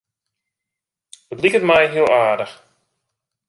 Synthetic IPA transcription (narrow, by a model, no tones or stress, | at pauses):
ətlikətmɛjɦiəlˠaːdəx